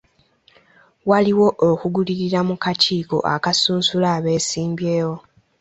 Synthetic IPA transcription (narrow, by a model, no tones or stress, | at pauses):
waliwo̞ʔokuɡuliɾiɾamukaciːko̞̰ʔa̰kasuːnsulaːβe̞ːsiːmbje̞ːwo̞